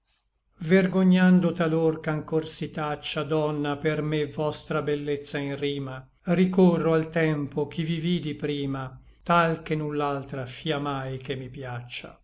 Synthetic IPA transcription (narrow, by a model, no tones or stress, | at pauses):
verɡoɲːand̪ot̪alorkaŋkorsit̪at͡ʃːad̪ɔnːapermevɔst̪ɾabelːet̪sːainriːma | rikorːoalt̪ɛmpok̟ʰiviviːd̪ipɾiːma | t̪alkenːulːalt̪ɾafiːamajkemːipjat͡ʃːa̰